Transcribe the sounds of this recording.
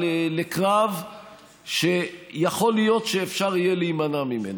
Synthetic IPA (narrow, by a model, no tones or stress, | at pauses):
elekʁav | ʃejaχo̞lijo̞tʃeːfʃaʁijelimanamimḛna